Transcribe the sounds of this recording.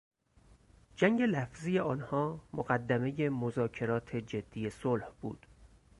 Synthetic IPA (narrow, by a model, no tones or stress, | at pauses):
d͡ʒæŋɟe̞læfziːje̞ɒːnhɒːmoɢæd̪ːæme̞je̞mozɒːcʰe̞ɾɒːt̪ʰe̞d͡ʒe̞d̪̥ːije̞solhb̥ṵːd̪̥